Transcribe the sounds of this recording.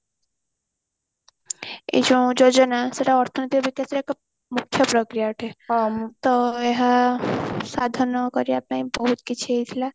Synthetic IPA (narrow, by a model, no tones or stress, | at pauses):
ḛd͡ʒũd͡ʒod͡ʒɔnaseɾaɔɾt̪ʰɔnit̪iɔbikaseɾekɔ | mukʰjɔpɾɔkɾijaʈʰet̪ɔeɦa | sad̪ʱɔnɔkɔɾiap̚naj̃bɔɦut̪kit͡ʃʰiejt̪ʰila